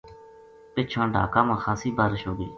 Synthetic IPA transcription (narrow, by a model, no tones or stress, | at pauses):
pɪt͡ʃʰãːɖʱa̰ːkãːmãːxaːsiːbaːɾɪʃɦoːɡḭː